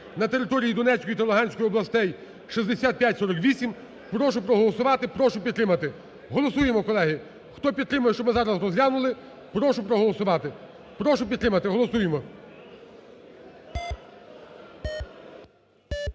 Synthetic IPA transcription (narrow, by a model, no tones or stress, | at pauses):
nɐt̪eɾɪt̪ɔɾʲijid̪ɔnɛt͡sʲkɔjit̪ɐlˠʊɦɑnʲsʲkɔjʊɔblˠɐst̪ɛj | ʃizʲd̪esʲat̪̚pjatʲsɔɾɔkʋʲisʲim | pɾɔʃʊpɾɔɦɔlˠɔsʊʋɑt̪ɪpɾɔʃʊpʲid̪t̪ɾɪmɐt̪ɪ | ɦɔlˠɔsujemɔkɔlˠɛɦɪ | xt̪ɔpʲid̪t̪ɾɪmʊjɛʃt͡ʃɔbmɪzɑɾɐsrɔzlʲɑnʊlˠɪ | pɾɔʃʊpɾɔɦɔlˠɔsʊʋɑt̪ɪ | pɾɔʃʊpʲd̪t̪ɾɪmɐt̪ɪɦɔlˠɔsujemɔ